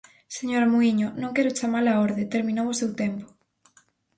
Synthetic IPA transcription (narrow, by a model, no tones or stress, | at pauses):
seɲoɾamuiɲʊnõŋkɛɾʊt͡ʃamalaoɾðɪt̪eɾmĩnowʊsewt̪ɛmpʊ̥